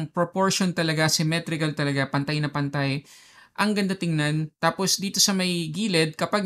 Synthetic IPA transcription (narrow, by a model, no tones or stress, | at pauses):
ŋpɾopoɹʃont̪ɐlɐɡasɪmɛt̪ɾɪkɐlt̪ɐlɐɡapɐnt̪ajnɐpɐnt̪aj | ʔɐŋɡɐnd̪at̪ɪŋnant̪aːpo̞sd̪iːt̪o̞sɐmɐjɡiːlɛd̪̚kɐpaɡ̚